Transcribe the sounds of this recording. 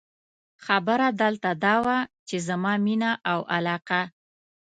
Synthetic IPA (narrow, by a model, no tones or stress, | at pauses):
xabəɾad̪əlt̪ad̪ɑwat͡ʃezamɑminaʔawʔalɑqa